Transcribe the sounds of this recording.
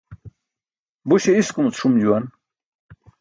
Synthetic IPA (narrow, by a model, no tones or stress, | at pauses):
buɕeiskumut͡sʰumd͡ʑuan